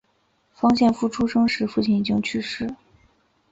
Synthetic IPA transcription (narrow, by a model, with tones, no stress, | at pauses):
fɑ˥ŋɕjɛ˥˧nfu˥˩ʈ͡ʂʰu˥ʂɤ˥ŋʂɻ̩˥fu˥˩t͡ɕʰi˥˩ni˨˩t͡ɕi˥ŋt͡ɕʰy˥ʂɻ̩˥˩